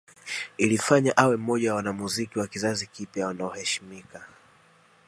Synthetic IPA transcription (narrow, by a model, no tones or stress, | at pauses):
ilifaɲaʔawɛm̩ːɔʄawawanamuzikiwakizazikipjawanaɔhɛʃi̥mika